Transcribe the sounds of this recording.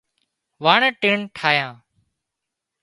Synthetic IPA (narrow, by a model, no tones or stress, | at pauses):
ʋaːɳəːʈeːɳʈʰaːjãː